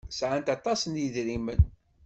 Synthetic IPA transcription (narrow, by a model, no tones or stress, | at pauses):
sʕant̪ɑt̪ˤɑsənjiðɾimən